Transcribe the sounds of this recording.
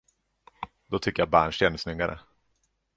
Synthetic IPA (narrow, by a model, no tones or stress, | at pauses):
d̪ɔt̪ʰʏkːəjabæ̰ːɳʂensnʏɡaɾʔə̰